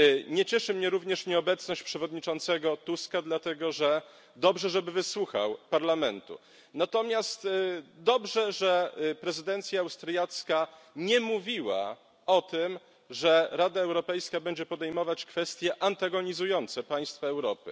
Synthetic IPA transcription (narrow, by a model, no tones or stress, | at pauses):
ɲɛt͡ɕɛʂɘmɲɛɾuvɲɛʂɲɛɔbɛt̪snɔɕt͡ɕpʂɛvɔd̪ɲit͡ʂɔnt̪sɛɡɔt̪uskad̪lat̪ɛɡɔʐɛ | d̪ɔbʐɛʐɛbɘvɘswuxa̰wpaɾlamɛnt̪ṵ | nat̪ɔmʲjast̪d̪ɔbʐɛʐɛpɾɛzɘd̪ɛnt̪sʲjaːwst̪ɾjat̪skaɲɛmuvʲiwa̰ | ɔt̪ɘm | ʐɛɾad̪aɛwɾɔpɛjskabɛɲd͡ʑɛpɔd̪ɛjmɔvat͡ɕkfɛst̪ʲjɛʔant̪aɡɔɲizujɔnt̪sɛpaj̃st̪faɛwɾɔpɘ̰